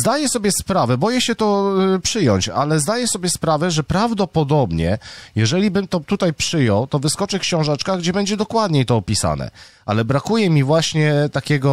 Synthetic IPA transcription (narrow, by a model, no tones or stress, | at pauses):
zd̪ajɛsɔbʲjɛspɾavɛbɔjɛɕɛt̪ɔpʂɘjɔɲt͡ɕa̰lɛzd̪ajɛsɔbʲjɛspɾavɛʐɛpɾavd̪ɔpɔd̪ɔbɲɛ̰jɛʐɛlʲibɘmt̪ɔt̪ut̪ajpʂɘjɔwt̪ɔvɘskɔt͡ʂɘkɕɔ̃w̃ʐat͡ʂkaɡd͡ʑɛbɛɲd͡ʑɛd̪ɔkwad̪ɲejt̪ɔːpʲisa̰nɛ̰ʔa̰lɛbɾakujɛmʲivwaɕɲɛt̪akʲɛɡɔ